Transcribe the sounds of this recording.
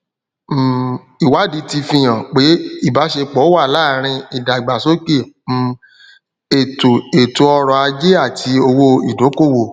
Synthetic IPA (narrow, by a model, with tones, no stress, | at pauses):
i˨wa˨˦di˨˦ti˧fĩ˧j̃ã˨k͡pe˨˦i˦˨ba˨˦ʃe˧k͡pɔ˨˦wa˦˨laː˦˨ɾ̃ĩ˧i˨da˨i˨ɡ͡ba˨so˦ke˦˨ | e˨to˨e˨to˨˦ɔ˧ɾɔ˧a˧d͡ʒe˦a˦˨tʰi˧o˧wo˧ḭ˨do˨˦ko˦˨wo˨